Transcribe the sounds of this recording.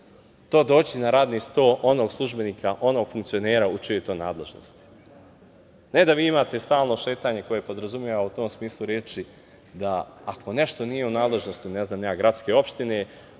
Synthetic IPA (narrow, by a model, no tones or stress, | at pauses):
t̪o̞ːd̪o̞ːt͡ɕinaɾaːd̪nist̪o̞ːʔo̞no̞ɡslˠuʒbe̞niːkʰaʔo̞no̞ɡ̥fuŋkt̪sio̞neːɾaut͡ʃijot̪o̞ːjna̰ːd̪le̞ʒno̰st̪i̥ | ne̞d̪aʋiːimaːt̪e̞st̪aːlˠno̞ʃe̞ːt̪aːɲe̞ko̞je̞po̞d̪ɾazumjeʋaut̪o̞ːmsmiːslˠuɾjeːt͡ʃi | d̪aako̞ne̞ʃt̪o̞nije̞unaːd̪le̞ʒno̞st̪uneznaːmɲaːɡɾat̪ske̞o̞pʃt̪ine̞